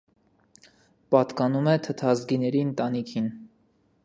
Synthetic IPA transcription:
pɑt̪kɑnumɛt̪ʰət̪ʰɑzɡinɛɾiənt̪ɑnikʰin

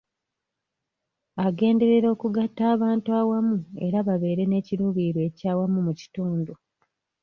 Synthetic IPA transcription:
aɡe̞ːnde̞ɾe̞ɾo̞ːkuɡatːaːβaːntuawamue̞ɾaβaβe̞ːɾe̞ne̞ːciɾuːβiɾwe̞ːcaːwamumuci̥tuːndu

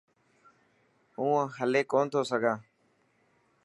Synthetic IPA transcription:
ũːɦəleːkoːnt̪ʰoːsəɡʱãː

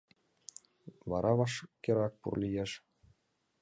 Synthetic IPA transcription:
βɑɾʔɑβɑʃkʲĕɾɑk̚pṵrlʲijeʃ

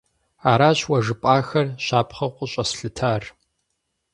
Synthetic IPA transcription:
aːɾaːɕwɐʒɨpʼaːxɐrɕaːpʰχɐqʷʼʊɕʼɐsɬɨtʰaːr

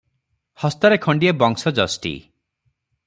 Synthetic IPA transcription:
hɔst̪ɔɾekʰɔɳɖijebɔŋsɔd͡ʒɔsʈḭ

